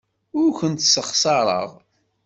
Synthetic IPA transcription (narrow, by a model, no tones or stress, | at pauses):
ʊɾçʷənt̪səχsɑɾˤə̰ʁ